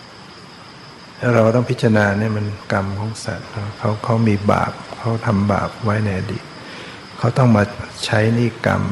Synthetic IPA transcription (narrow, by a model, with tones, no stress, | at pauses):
a˥˧˩ɾa˧wt̪ɔ˥˩ŋpʰi˦˥t̪t͡ɕːa˧a˧naː˧naː˥˩˨ma˧nka˧mkʰɔː˨˦˥ŋsa̰˨˩t̪̚kʰa˦˥˩wkʰa˦˥˩wmiː˧ba̰ː˨˩p̚kʰa˦˥wt̪ʰa˧mba̰ː˨˩p̚wa˦˥jna˧jʔa˧diː˨˩t̪̚ | kʰa˦˥˩wt̪ɔ˥˩ŋmaː˧t͡ɕʰa˦˥jniː˥˩ka̰˧m